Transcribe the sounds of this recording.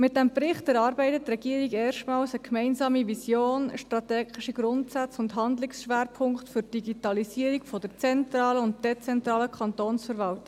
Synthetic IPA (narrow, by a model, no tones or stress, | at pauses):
mɪt̚d̥ɛmbɾɪχtɛɾɑːɾbɛɪtətːrɛɡiːəɾiɡɛːɾʃtmɑːlsəkʰmɛɪnsɑːmiʋisjoːnəʃtɾɑt̪ɛːɡɪʃiɡɾʊntsæt͡sʊndɦɑnd̪lɪksʃʋeːɾpʰʊŋktfʏɾd̥iɡitɑlisiːəɾikfɔd̥əɾt͡sɛntɾɑːləʊnt̚d̥ɛt͡sɛntɾɑːləkʰɑntoːnsfəɾvɑltɪ